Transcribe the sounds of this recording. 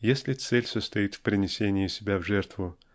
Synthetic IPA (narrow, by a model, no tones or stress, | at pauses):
jesʲlʲɪt̪sɛlʲsəst̪ɐit̪fpɾʲɪnʲɪsʲenʲɪɪsʲɪbʲavʐɛrt̪vʊ